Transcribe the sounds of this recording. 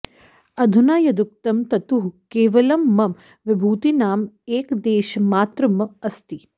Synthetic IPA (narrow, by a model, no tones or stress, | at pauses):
ɐd̪ʱunaːjɐd̪ukt̪ɐmt̪ɐt̪uɦkeːʋɐlɐmːɐm | ʋɪbʱuːt̪inaːmeːkd̪eːʃɐmaːt̪ɾɐmɐɐst̪i